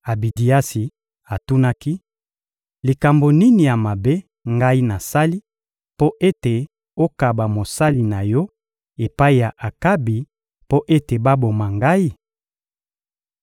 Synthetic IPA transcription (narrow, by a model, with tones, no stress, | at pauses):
a˨bi˨di˨a˦si˨ | a˨tu˦na˦ki˦ | li˨ka˨mbo˨ni˦ni˨ja˨ma˨be˦ | ŋɡa˦i˦na˨sa˦li˦ | po˦ʔe˦te˨ | o˦ka˨ba˨mo˨sa˦li˨na˨jɔ˦ | e˨pa˦i˨ja˨ʔa˨ka˦bi˨ | po˦ʔe˦te˨ba˦bo˨ma˨ŋɡa˦i˦